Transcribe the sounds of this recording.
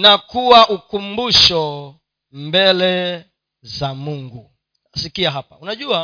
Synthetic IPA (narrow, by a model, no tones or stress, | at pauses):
nakuwaʔukumbuʃɔ | mbɛlɛ | zamuŋɡu | asikiaɦapaunaʄua